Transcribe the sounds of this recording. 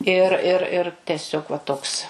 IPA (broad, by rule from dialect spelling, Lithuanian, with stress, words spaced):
ɪr ɪr ɪr tʲɛˈsʲoːk ʋɐ ˈtoːks